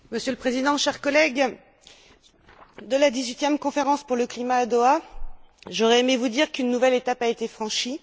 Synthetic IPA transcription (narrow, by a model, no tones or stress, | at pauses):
məsjølpχezid̪ɑ̃ʃɛʁkɔlɛɡ | d̪əlad̪izɥit̪jɛmkɔ̃feʁɑ̃spuʁləklimaːd̪oa | ʒɔʁɛemevud̪iʁkynːuvɛlet̪apaet̪efχɑ̃ʃi